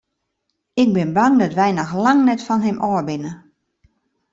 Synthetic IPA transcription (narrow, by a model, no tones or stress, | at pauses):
ɪk̚bɪnbaŋdɔtʋɛjnɔxlaŋnɛtfɔnɦɪmʔɔːɹbɪnə